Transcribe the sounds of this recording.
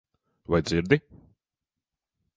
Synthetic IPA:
vajd̪ziɾd̪i

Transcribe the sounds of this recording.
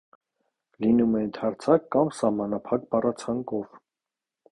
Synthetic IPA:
linumɛənt̪ʰɑɾt͡sʰɑkːɑmsɑhmɑnɑpʰɑkbɑrɑt͡sʰɑŋkɔv

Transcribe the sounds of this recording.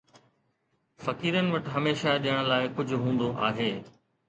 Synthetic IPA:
fɐkiːɾənɪ̆ʋɐʈɦɐmeːʃaɗijəɽ̃laːɪkʊd͡ʑʱʊɦũːn̆d̪oʔa̰ːɦeː

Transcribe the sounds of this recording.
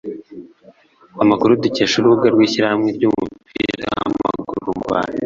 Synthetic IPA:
amakuɾuduceːʃuɾuɡaɾɡwiːɕiɾahamŋeɾɟuːmupḭɾa̰a̰mma̰ɡuɾumba̰ɾe

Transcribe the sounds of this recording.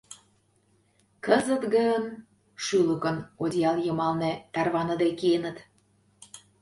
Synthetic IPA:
kəzə̆t̪ɣən | ʃyləkənod̪ʲjɑljə̆mɑlnĕt̪ɑrβɑnəd̪ekienət̪

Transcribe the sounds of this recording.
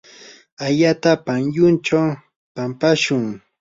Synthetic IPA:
aʎat̪apanjʊnt͡ʃaw | pampaʃʊŋ

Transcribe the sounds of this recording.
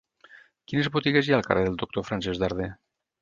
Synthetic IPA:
kinezβut̪iɣezjaəlˠka̰reðelˠd̪uk̚t̪ofɾansɛzðaɾð̞e

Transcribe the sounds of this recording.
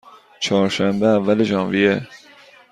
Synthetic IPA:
t͡ʃʰɒːɾʃæmbeævːæleʒɑːnvije

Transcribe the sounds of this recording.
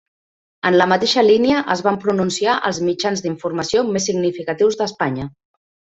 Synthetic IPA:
ənləmət̪eʃəliniəʔəzβampɾununsiaʔə̰lˠzmid͡ʒanzd̪iɱfurməsiomesːiɡnifikət̪iwzðəspaɲə

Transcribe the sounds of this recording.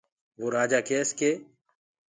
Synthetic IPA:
ʋoːɾaːd͡ʒaːkeːskeː

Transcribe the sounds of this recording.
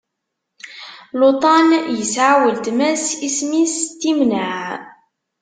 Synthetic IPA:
lot̪ˤɑnjəsʕawəlt̪mæsismist̪ːimnəʕ

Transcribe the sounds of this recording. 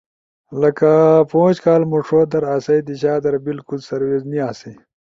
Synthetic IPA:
lɐkapõːɕkaːlmuʂoːd̪ɐɾaːsɐjd̪iɕaːd̪ɐɾbilkulsɐɾweːzniaːsi

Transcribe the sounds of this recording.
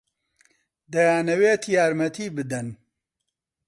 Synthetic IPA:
d̪ɐjaːnɐweːt̪jaːɾmɐt̪ʰiːbɨd̪ɐn

